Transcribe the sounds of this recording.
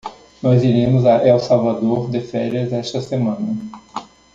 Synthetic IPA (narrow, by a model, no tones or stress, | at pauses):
nɔziɾẽmʊzaʔɛwsawvad̪oɾd̪ɪfɛɾiɐzɛʃt̪ɐsemɐ̃nɐ